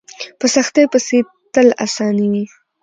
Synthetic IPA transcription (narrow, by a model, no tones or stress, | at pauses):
pəsaxt̪ejpəse | t̪əla̰sɑniwi